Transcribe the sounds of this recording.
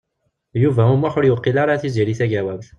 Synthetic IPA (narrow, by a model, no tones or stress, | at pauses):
juvæhʊmwaħʊɾjʊqːilɑɾˤɑθiziɾiθæɡæwæbθ